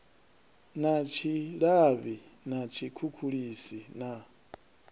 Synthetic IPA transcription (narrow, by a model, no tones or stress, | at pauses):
nat͡ʃʰiɺaβinat͡ʃʰikʰukʰuɺisina